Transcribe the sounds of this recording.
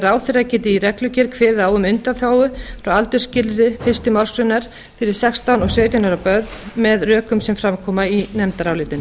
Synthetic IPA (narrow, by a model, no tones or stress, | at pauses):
ɾaːwθɪɾacɛːt̪ɪiɾɛklʏcɛɾkʰvɛːðaːwʏmʏnt̪aθjaːwʏfɾawalt̪ʏɾ̥scɪlðʏfɪr̥st̪ʏmawɾ̥sɾʏnaɾ̥ | fɪɾɪɾ̥sɛkst̪awnɔɣsœːt̪jʏnaɾawpœɾðmɛðrœːkʏmsɛmfɾamkʰɔːmainɛmt̪aɾawlɪːt̪ɪn